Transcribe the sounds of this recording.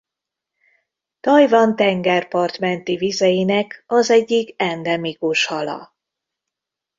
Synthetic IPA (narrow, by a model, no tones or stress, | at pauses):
t̪ɒjvɒnt̪ɛŋɡɛrpɒrt̪mɛnt̪ivizɛjinɛkɒzɛɟːikɛnd̪ɛmikuʃhɒlɒ̰